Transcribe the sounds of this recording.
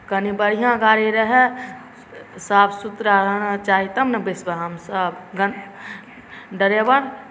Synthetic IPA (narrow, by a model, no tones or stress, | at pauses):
kənibəɾijãɡaɾiɾəɦe | sabsut̪ɾaɾənt͡ʃaːɦit̪ɐmnɐbesbəɦəmsəbɡən | ɖəɾjəbən